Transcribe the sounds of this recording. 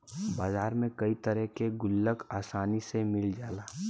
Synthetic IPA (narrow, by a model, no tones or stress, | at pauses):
baːzaːɾmẽkɐit̪əɾəɦkeɡʊlːəkaːsaːnisemɪld͡ʒaːlaː